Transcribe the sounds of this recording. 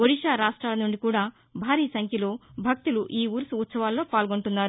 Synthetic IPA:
oɽiʃaːɾaːʂʈɾaːlɐnuɳɖikuːɽaː | bʱaːɾiːsɐŋkʰjɐlo̞ːbʱɐk̚t̪uluʔiːuːɾsuut̪sɐʋaːlːo̞ːpaːlɡoɳʈunːaːɾu

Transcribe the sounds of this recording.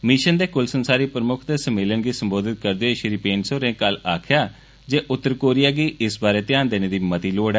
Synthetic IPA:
miːʃənd̪eːkʊlsənsaːɾiːpɾəmʊkʰd̪eːsəmeːlənɡiːsəmboːd̪ɪt̪̚kəɾd̪eeʃɪɾipeːnsoːɾẽːkəlaːkʰjaː | d͡ʒeːʔʊt̪ːəɾkoːɾɪjaːɡiːʔɪsbaːɾeːt̪ɪjaːnd̪eːneːd̪iːmət̪iːloːɽɛː

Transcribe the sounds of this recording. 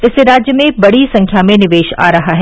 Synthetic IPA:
ɪseɾaːd͡ʒjəmẽbɐɽisɐ̃ŋkʰjamẽnɪʋeːʃa̰ːɾɐɦaɦɛː

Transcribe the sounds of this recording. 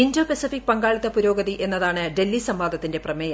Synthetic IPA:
indoːpesifik̚ːpɐŋɡaːɭit̪ːɐpuɾo̞ːɡɐðiʔe̞nːɐðaːɳɨɖe̞lːisɐmʋaːd̪ʱɐt̪ːinde̞prɐmɐjɐ

